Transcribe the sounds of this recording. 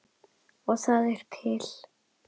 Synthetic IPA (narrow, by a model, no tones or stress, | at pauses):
ɔθaðɛɾ̥t̪ʰɪl̥